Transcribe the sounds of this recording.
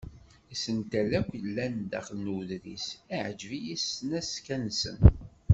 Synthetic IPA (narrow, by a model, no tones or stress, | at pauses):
isənt̪ælækʷlːænd̪æ̰χəlnuðɾḭsæʕəd͡ʒvijisənæskænsə̰n